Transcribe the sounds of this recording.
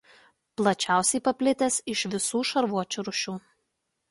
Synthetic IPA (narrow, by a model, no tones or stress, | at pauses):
plˠɐt͡ʃʲæˑʊsʲɛɪpɐpʲlʲɪt̪ʲɛsɪʃʋʲɪsuːʃɐɾʋuɔt͡ʃʲuɾʊʃʲuː